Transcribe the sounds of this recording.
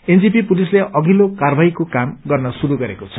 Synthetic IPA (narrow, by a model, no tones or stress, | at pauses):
end͡zipipulisleʔʌɡʱilokarbʱajkokamɡʌrnʌsuɾuɡʌɾekot͡sʰʌ̥